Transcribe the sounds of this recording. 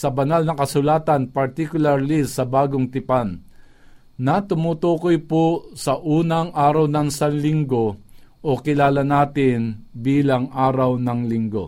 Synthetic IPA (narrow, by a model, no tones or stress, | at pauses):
sɐbɐnalnɐkɐsʊlaːt̪ɐnpɐɾt̪ikʊlaɾlɪsɐbaːɡoŋt̪ɪpanː | ɐt̪ʊmut̪uːkojposɐʔuːnɐŋʔaːɾawnɐnsanlɪŋɡoʔokɪlaːlɐnaːt̪ɪnbiːlaŋʔaːɾawnɐŋlɪŋɡo̰